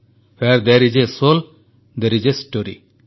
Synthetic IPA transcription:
fɛɾd̪ɛɾid͡ʒesol | d̪ɛɾid͡ʒesʈoɾḭ

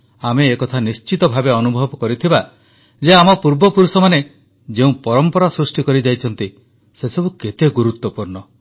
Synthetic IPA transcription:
ameːkɔt̪ʰanist͡ʃit̪ɔbʱabeɔnubʱɔbɔkɔɾit̪ʰiba | d͡ʒeamɔpuɾbɔpuɾusɔmane | d͡ʒeũpɔɾɔmpɔɾasɾusʈikɔɾid͡ʒajt͡ʃʰɔnt̪i | sesɔbuket̪eɡuɾut̪wɔpuɾnɔ

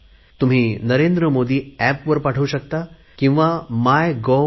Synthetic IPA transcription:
t̪um̤iːnəɾend̪ɾəmod̪ʱiːæpʋəɾpaʈʰəʋuɕəkt̪a | kĩw̃ʋamajɡo

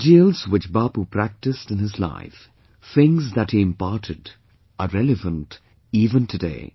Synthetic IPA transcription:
d͡ʒilˠz̥wɨt͡ʃbɑːpupʰɹ̥æk̚tɨstɨ̃nɪzla̰ɪf | θɪ̃ŋzðɨt̚hiɨ̃mpɑɹɾʰɨd | əɹɛlˠɨvə̃nt | ivɨ̃ntʰɨdḛɪ

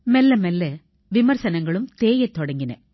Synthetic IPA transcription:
mɛlːɐmɛlːɐ | ʋɪmɐɾsɐnɐŋɡɐɭɯmt̪eːjɐt̪ːɔɽɐŋɡɪnɐ̰

